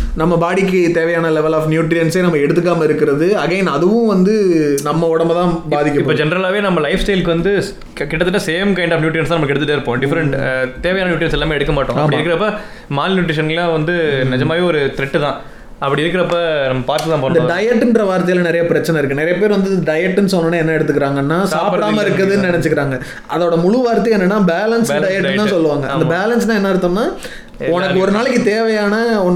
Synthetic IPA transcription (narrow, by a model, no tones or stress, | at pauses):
nɐmːɐbaːɽɪk̬ːɯt̪eːʋɐjaːnɐlɛʋɐlaːfnjuːʈɾɪjɐnseːnɐmːɐɛɽɯt̪ːɯkːaːmɐɪɾɯkːɪɾɐðɯɐɣeːnɐðɯʋʊ̃ʋɐnd̪ɯnɐmːɐɔɽɐmɐt̪ãːbaːðɪkʲːɐɪpːpːoːd͡ʒɛnɐɾɐlaːʋeːnɐmːɐlɐɪfsʈɐɪlkːɯʋɐnd̪ɯ | kɪʈːɐt̪ːɯʈːɐseːmkɐɪɳɖaːfnjuːʈɾiɐnsaːnɐmːɐkːɛɽɯt̪ːɯʈːeːɾɯpːõːɖɪfɐɾɐɳʈt̪eːʋɐjaːnɐjuːʈɾɪɐnsɛlːaːmeːɛɽɯkːɐmaːʈːõːɐpːɐɽiɪɾɯkːɪɾɐpːɐ | maːlnjʊːʈɾɪʂɐnɐllãːʋɐnd̪ɯnɪd͡ʒɐmaːʋeːɔɾɯt̪ɪɾɛʈːɯt̪ãː | ɐpːɐɽiɪɾɯkːɪɾɐpːɐnɐmːɐpaːɾt̪ɯt̪ãːpoːnd̪ɐɖɐjɛʈːɪnɾɐʋaːɾt̪ɐjɪlɐnɪɾɐjɐpɪɾɐt͡ʃːɐnɛɪɾɯkːɯnɪɾɐjɐpeːɾʋɐnd̪ɯɖɐjɛʈːnɯs̬ɔnːɐnːaːɛnːɐɛɽɯt̪ːɯkːɪɾaːŋɡɐnːaːsaːpɽaːmɐɪɾɯkːɐðɯnnɪnɛt͡ʃːɯkːɪɾaːŋɡɐ | ɐðoːɽɐmʊɻʊʋaːɾt̪ːɐjeːnːɐnːaːbeːlɐnsɖɐjɛʈːt̪ãːsɔlːɯʋaːŋɡɐʔɐd̪ɐbeːlɐns̬t̪ãːɛnːɐɪɾɯt̪ːɐnːaː | ɔnɐkːɯɔɾɯnaːlɪkːɯt̪eːʋɛjaːnɐɔnː